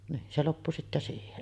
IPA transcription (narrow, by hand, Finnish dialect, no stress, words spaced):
niːn se lopːu sitːæ siːhen